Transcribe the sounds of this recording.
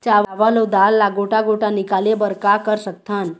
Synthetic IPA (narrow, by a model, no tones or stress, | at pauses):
t͡ɕaʋaʋalod̪alːaɡoʈaɡoʈanikalebəɾkakəɾsək̚t̪ʰan